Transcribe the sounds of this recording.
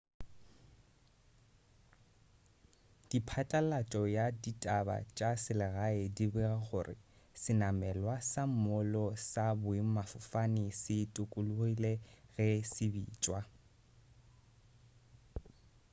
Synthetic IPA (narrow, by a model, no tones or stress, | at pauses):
d̥ipʰatʼalat͡ʃʼɔjaditʼaba̰t͡ʃʼasɪlɪɣaedibɛɣaɣʊrɪ̰ | sɪnamɛlwasamɔlɔsabʊimafʊfanɪsɪtʼʊkʼʊlʊɣileɣɛsɪbḭːt͡ʃʼwa